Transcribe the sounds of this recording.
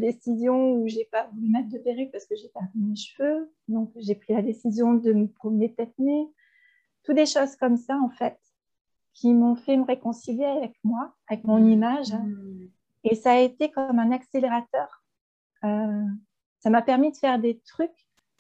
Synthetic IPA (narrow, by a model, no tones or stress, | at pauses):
d̪esizjɔ̃uʒepavulymɛt̪χd̪əpeʁypaʁsə̥kəʒet̪ɛʁmineʃvø | d̪ɔ̃kʒepχilad̪esizjɔ̃d̪əməpχɔmənet̪ɛt̪ne | t̪ut̪̚d̪eʃozkɔmsaɑ̃fɛt̪ | kʲʰimɔ̃fɛməʁekɔ̃siljeavɛkmwaavɛkmɔ̃nimaʒ | esaːet̪ekɔmɛ̃nakseleʁat̪œːʁ | ø | samapɛʁmid̪əfɛʁd̪et̪χyk